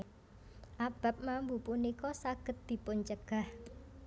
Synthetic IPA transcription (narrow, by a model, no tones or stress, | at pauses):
ʔab̥ä̤p̚mambupunikɔsaɡ̥ə̤t̪̚d̪̥i̤pʊnt͡ʃəɡ̥a̤h